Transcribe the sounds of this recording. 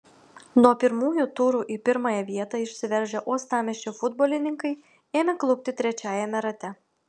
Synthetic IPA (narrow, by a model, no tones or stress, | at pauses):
nuɔpʲɪɾmuːjut̪ʊːɾuːʔipʲɪɾmɑjɛʋʲiɛt̪ɑɪʃʲsʲɪʋʲɛɾʲʒʲɛʔuɔst̪ɑːmʲɛʃʲt͡ʃʲofʊd̪boːlʲɪnʲɪŋkɐɪ | eːmʲɛklˠʊk̚ʲt̪ʲɪt̪ʲɾʲɛt͡ʃʲæːjɛmʲɛɾɐt̪ʲɛ